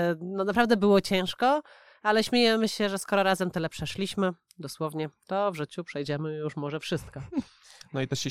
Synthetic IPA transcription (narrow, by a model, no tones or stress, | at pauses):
nɔnapɾavd̪ɛbɘwɔt͡ɕɛ̃ʂkɔ | alɛɕmʲejɛmɘɕɛʐɛskɔɾɔɾazɛmt̪ɘlɛpʂɛʂlʲiɕmɘ | d̪ɔswɔvɲɛt̪ɔvʐɘt͡ɕupʂɛjd͡ʑɛmɘjuʂmɔʐɛfʂɘst̪̚kɔ | nɔit̪ɛɕɛ